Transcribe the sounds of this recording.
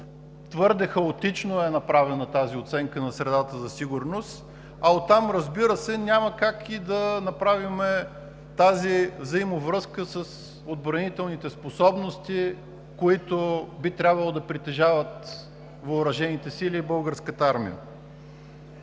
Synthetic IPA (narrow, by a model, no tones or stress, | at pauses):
t̪vɤɾd̪ɛxɐot̪it͡ʃnoɛnɐpɾavɛnɐt̪aziot̪sɛŋkənɐsɾɛd̪at̪əzɐsiɡʊɾnost̪ | ɐot̪ːamɾəzbiɾəsɛnʲaməkakid̪ɐnɐpɾavimɛ | t̪azivzɐimovɾɤskəsəs | od̪̚bɾɐnit̪ɛlˠnit̪ɛsposɔbnost̪i | koit̪obit̪ɾʲabvɐlˠod̪ɐpɾit̪ɛʒavət̪ | vəʊɾɐʒɛnit̪ɛsilʲiːbɤlˠɡəɾskət̪əaɾmḭə̰